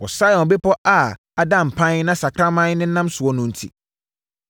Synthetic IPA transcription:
wɔ˨sa˦jɔ̃˨n˨be˦pʰɔ˦ʔa˨ | a˨dã˦m̩˨pʰã˦n˦nã˦sa˨kʰɾa˦mã˦n˦nɪ̃˦nã˦msʊ˨ɔ˦nʊ̃˨n̩˨tʰḭ˦

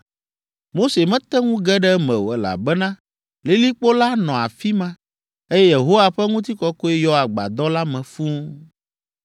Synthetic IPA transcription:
mo˦se˨mɛ̃˦t̪ɛ˦ŋũ˦ɡɛ˦ɖɛ˦mɛ̰̃˨wo̰˨ɛ˨la̰˨bɛ˦nã˦ | le˨li˦k͡po˦la˦nɔ̃˨a̰˨fi˦mã˦ | e˦jɛ˦je˨ɦo˦wa˨ɸɛ˦ŋũ˦t̪i˦kɔ˦ko˦ɛ˦jɔ˦a˨ɡ͡ba̰˨d̪ɔ˦la˦mɛ̃˨fũ˦

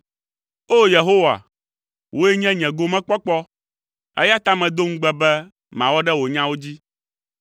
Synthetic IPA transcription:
o˦je˨ɦo˦wa̰˨ | wʔo˦ɛ˦ɲɛ̃˦ɲɛ̃˨ɡo˦mɛ̃˦k͡pɔ˦k͡pɔ˦ | ɛ̰˦ja˦t̪a˦mɛ̃˨d̪o˦ŋ̩̃˦ɡ͡bɛ˦bɛ˦ | mã˨wɔ˦ɖɛ˦wo˨ɲã˦wo˦d͡ʑi˦

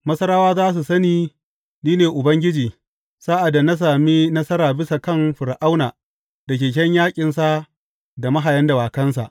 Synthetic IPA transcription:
mɐ˦sɐ˦ɾaː˦waː˦zaː˦s̬u˨sɐ˦niː˦ | niː˦neː˨ʔʊ˨bɐ˦ŋɡʲɪ˦d͡ʒiː˨ | saː˦ʔa˨da˨na˦s̬aː˨mi˦nɐ˦sɐ˦ɾaː˨bɪ˦sa˨kɐ˦˨mɸɪ˨ɾʔa˦wnaː˨ | dɐ˨k̬ʲeː˨k̬ʲɛ˦ɲjaː˦kʲʼɪ˨nsa˦ | da˨mɐ˦ɦa˨jɐ˦nda˨waː˨kɐ˦ns̬a̰˨ʔ

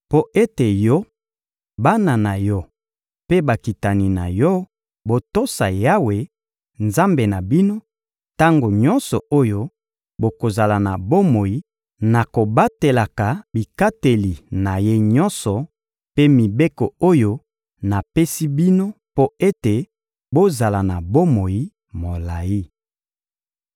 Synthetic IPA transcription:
po˦ʔe˦te˨jɔ˦ | ba˦na˨na˨jɔ˦ | pe˦ba˨ki˨ta˨ni˨na̰˨jɔ˦ | bo˨to˦sa˨ja˦we˨ | nza˦mbe˨na˨bi˦no˦ | ta˦ŋɡo˨ɲɔ̃˦nsɔ˨o˦jo˦ | bo˨ko˨za˨la˨na̰˨bo˦mo˨ji˨˦ | na˨ko˨ba˦te˨la˨ka˨bi˨ka˦te˨li˨na˨je˦ɲɔ˦nsɔ˨ | pe˦mi˨be˦ko˨o˦jo˦ | na˨pe˦si˦bi˦no˦po˦e˦te˨ | bo˦za˨la˨na˨bo˦mo˨ji˦ | mo˨la˨ji˦

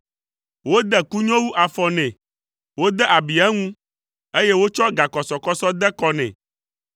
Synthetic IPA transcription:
wo˦d̪ɛ˦ku˦ɲɔ̃˦wu˦ʔa˨fɔ˨nɛ̃˨ | wo˦d̪ɛ˦ʔa˨bi˨ɛ˦ŋũ˦ | e˦je˦wo˦t͡ʃɔ˦ɡa˨kɔ˨sɔ˨kɔ˦sɔ˦d̪ɛ˦kɔ˦nɛ̰̃˨

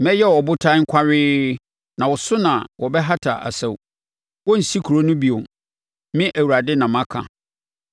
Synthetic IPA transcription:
mɛ̃˦jɛ˦ɔ˨bʊ˦tʰã˦ŋ̩˦kʰʷa˦ɾɪː˦ | nã˨wɔ˨sʊ˦nã˨wʔɔ˨bɛ˦ɦa˦tʰa˨ʔa̰˨sa˦˨w | wɔ˦n̩˨si˦kʰu˨ɾo˦nʊ̃˦bi˨õ˨m | mɪ̃˦ʔæ˨wu˨ɾa˨dɪ˦nã˨mã˦kʰã̰˨

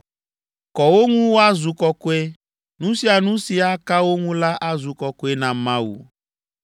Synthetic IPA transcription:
kɔ˨wo˦ŋũ˦wo˦a˦zu˨kɔ˦ko˦e˦ | nũ˦si˦a˨nũ˦si˦a˦ka˦wo˦ŋũ˦la˦ʔa˦zu˨kɔ˨ko˦e˦nã˨mã˦wṵ˨

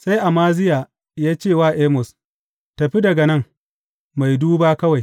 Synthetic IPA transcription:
sa˦jʔa˨maː˦zɪ˦jaː˨ | jaː˦t͡ʃeː˦˨waː˦˨ʔeː˦mʊ˨s | tɐ˨ɸi˦dɐ˨ɡɐ˨nɐ˦˨ŋ | ma˨jduː˦baː˦kɐ˦wa˨j

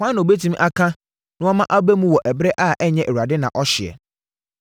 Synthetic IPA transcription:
ã˦nːã˨o˨be˦tʰĩ˦m˦ʔa˦kʰã˦ | nʊ̃˦ɔ˦mã˦ʔa˦be˦mũ˦wɔ˨ʔɛ˨bɾɛ˦ʔa˦˨ʔɛ˦ɲɛ̃˨ʔɛ˨u˨a˨dɪ˦nã˨ʔɔ˦ɕɪ˨ɛ̰˨

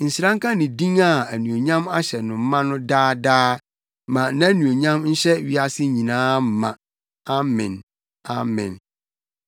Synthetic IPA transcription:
n̩˨sɾã˦ŋkʰã˦nɪ̃˨dĩ˦ŋa˨æ˨nũ˨o˨ɲã˦ma˦ɕɛ˨nʊ̃˨m̩˦mã˦nʊ̃˦daː˦daː˦ | mã˨nã˦æ˦nũ˨o˨ɲã˦mn̩˦ɕɛ˦ɥi˦a˦sɪ˦ɲĩ˨nãː˦m̩˨˦mã̰˨ | a˦mɪ̰̃˨n | a˨mɪ̰̃˨n

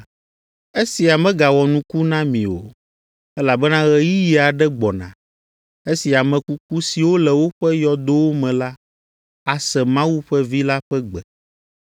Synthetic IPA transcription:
e˦si˨a˨mɛ̃˦ɡa˨wɔ˨nũ˦ku˦nã˦mĩ˨o̰˨ | ɛ˦la˨bɛ˦nã˦ɣɛ˨ji˦ji˨a˨ɖɛ˦ɡ͡bɔ˨nã̰˨ | e˦si˨a˨mɛ̃˨ku˦k̚u˦si˨wo˦lɛ˨wo˦ɸɛ˦jɔ˨d̪o˦wo˦mɛ̃˨la˦ | a˨sɛ˨mã˦wu˦ɸɛ˦vi˦la˦ɸɛ˦ɡ͡bɛ˨

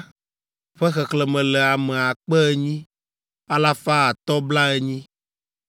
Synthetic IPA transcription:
ɸɛ˦xɛ˨klɛ˨mɛ̃˨lɛ˨a˨mɛ˨a˨k͡pɛ˦ɛ˦ɲĩ˦ | a˦la˦fa˦a˨t̪ɔ˦bla˦ɛ˦ɲĩ˦

